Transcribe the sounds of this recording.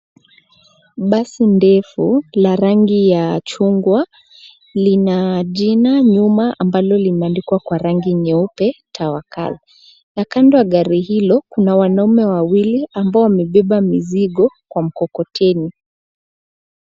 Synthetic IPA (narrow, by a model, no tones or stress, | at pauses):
ɓasindɛfulaɾaŋɡijat͡ʃuŋɡwa | linaʄinaɲumaʔambalɔlimɛandikwakwaɾaŋɡiɲɛupɛtʰawaka̰l | nakandɔaɠaɾihilɔkunawanaumɛwawiliambaɔwamɛɓɛɓamiziɠɔkwam̩kɔkɔtʰɛni